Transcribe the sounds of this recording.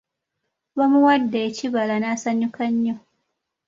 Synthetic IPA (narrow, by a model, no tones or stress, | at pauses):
bamuwɐdːajat͡ʃibalanaːsɐɲjukɐɲjo